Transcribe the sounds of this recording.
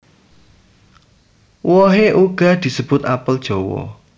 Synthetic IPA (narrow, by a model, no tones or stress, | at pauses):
wɔɦeʔuɡ̥a̤hd̪̥i̤səb̥ʊt̪apəld̥ʒ̥ɔwɔ̰